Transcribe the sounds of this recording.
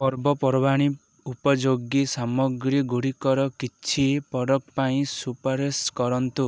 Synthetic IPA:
pɔɾbɔpɔɾɔbaɽ̃i | upɔd͡ʒoɡisamɔɡɾiɡuɽikɔɾɔkit͡ʃʰipɔɽɔkpaĩsupɔɾeskɔɾɔnt̪u

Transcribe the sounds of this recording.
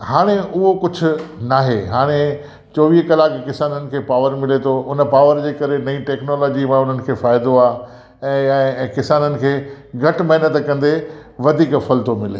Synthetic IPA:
haːɽ̃eʊɦokʊd͡ʑʱʊ̆naːɦeɦaːɽ̃e | t͡ɕɔːʋiːɦkɐlaːkkɪsaːnənɪ̆kʰeːpaːʋəɾmɪlet̪ʰoʔʊnə̆paːʋəɾd͡ʑeːkɐɾenɐĩʈɛːknoːlɔːd͡ʑimãʊn̤ənɪ̆kʰeːfaːɪd̪oaː | ɛ̃ːkɪsaːnənɪ̆kʰeː | ɡʱɐʈ̆mɐɦɪnət̪kɐ̃nd̪eʋɐd̪ʱiːkfɐlt̪omɪlḛ

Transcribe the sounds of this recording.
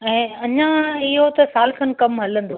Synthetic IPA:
ɛ̃ːɐɲãɪɦot̪ɐsaːlkʰənɪ̆kɐmɦɐlə̃nd̪o

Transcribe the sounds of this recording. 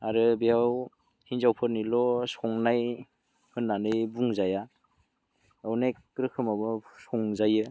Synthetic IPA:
aɾɯbiaw | hinzawpʰɯɾnilɔsɔŋnaj | hɯnːanɯjbuŋzaja | awnajkɾɯkʰɯmabɯsɔŋzajɯ

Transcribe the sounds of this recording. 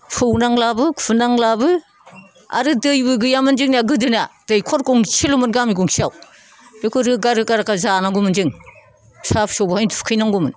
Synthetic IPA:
pʰɯwnaŋlabɯkʰunaŋlabɯ | a̰ɾɯdɯjbɯɡɯjamɯnd͡ʒɯŋnaɡɯdɯnad̥ɯjkʰɔɾɡɔŋsilumɯnɡamiɡɔŋsʰiaw | dekʰɯɾɯɡaɾɯkaɾakazanaŋɡumɯnd͡ʒɯŋ | sapsɔbahajntʰufkʰɯjnaŋɡumɯn

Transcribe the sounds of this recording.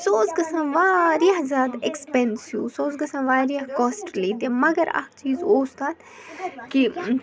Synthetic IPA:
soːzɡɐsãːʋaːɾijɐɦzaːd̪ekspensjuːsoːzɡɐsãːʋaːɾijɐɦkɔːsʈliːt̪imɐɡɐɾɐ̰kt͡ʃiːzoːst̪aːt̪ | ki

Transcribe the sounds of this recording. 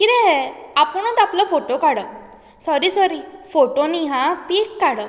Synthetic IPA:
kiɾɛɦɛapəɳ̃ət̪apləfoʈokaɽə | sɔɾisɔɾifoʈoniɦãpekːaɽə

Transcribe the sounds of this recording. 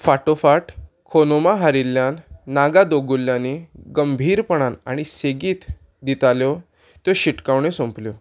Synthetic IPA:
faʈofaʈ | kʰonomaɦaɾilːjanːaɡad̪oɡulːjãneɡəmbʱiːɾpəɽ̃ana̰ɽ̃iseɡiːt̪ | d̪it̪aljɔ | t̪joɕiʈkaʋɳesõmpljɔ

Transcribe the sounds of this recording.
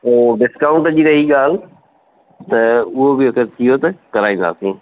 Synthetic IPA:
oːɖɪskaːʊ̃ɳʈd͡ʑiːɾɐɦiɠaːl̤ | t̪ɐʊɦobɪɐkəɾt̪ʰijot̪ɐkɐɾaːĩnd̪a̰ːsĩː

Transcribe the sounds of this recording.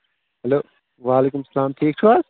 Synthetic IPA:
hɐloː | ʋaːleːkʊmsɐlaːmʈʰiːk̚t͡ʃʰuaːz

